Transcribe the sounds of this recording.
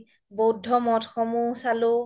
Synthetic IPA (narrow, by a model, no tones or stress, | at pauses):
bowdʱːɔmɔtxɔmusalu